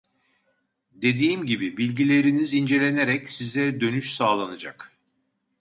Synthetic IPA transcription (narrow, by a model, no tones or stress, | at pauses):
d̪e̞d̪iːmɟibibilʲɟilʲe̞ɾinizind͡ʒe̞lʲe̞ne̞ɾɛcsizɛd̪ø̞nyʃsaːlˠanɯd͡ʒak